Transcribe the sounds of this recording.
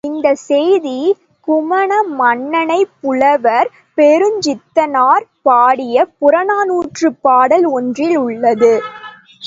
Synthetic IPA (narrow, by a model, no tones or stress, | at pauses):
ɪnd̪ɐsɛjði | kʊmɐɳɐmɐɳːɐnɐɪpːʊɭɐʋɐɾ | pɛɾɯɲd͡ʒɪt̪ːɐnaːɾpaːɽɪjɐpʊɾɐnaːnuːʈrɯpaːɽɐlɔndrɪlʊɭːɐðɯ